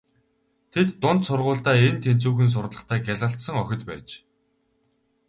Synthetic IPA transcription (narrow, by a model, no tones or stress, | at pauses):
t̪ʰet̪ːʊnt̪sʊrʁʊːɮt̪æːent̪ʰen̥t͡suːxɘ̆ns̬ʊrɮə̆χt̪ʰæːɡæɮə̆ɬt̪sə̆ŋœxʲɪ̆t̪pæ̰ːt͡ɕ